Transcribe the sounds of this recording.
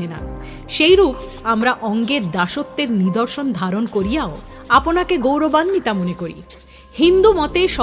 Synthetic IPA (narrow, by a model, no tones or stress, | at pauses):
ena̰ | ʃejɾup | amɾaʔɔŋɡeɾd̪aʃot̪ːeɾnid̪oɾʃond̪ʱaɾonkoɾijao | aponakeɡowɾobanmit̪amonekoɾḭ | hind̪umɔt̪eʃɔ